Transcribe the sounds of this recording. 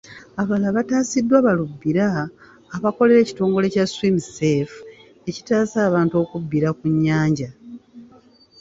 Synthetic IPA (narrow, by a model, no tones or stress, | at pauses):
aβalaβataːsidːwaːβalubːiɾaː | βako̞le̞ɾe̞ːci̥to̞ːŋɡo̞le̞caswimsef | e̞ci̥taːsaːβaːnto̞ːkubːiɾakuɲːaːɲɟa